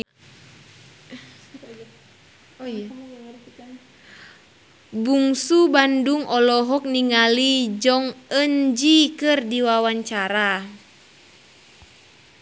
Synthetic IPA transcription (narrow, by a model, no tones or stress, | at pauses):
buŋsubanduŋʔɔlɔɦɔk̚niŋalid͡ʒɔŋəɲd͡ʒikɨrdiwawaɲt͡ʃaɾa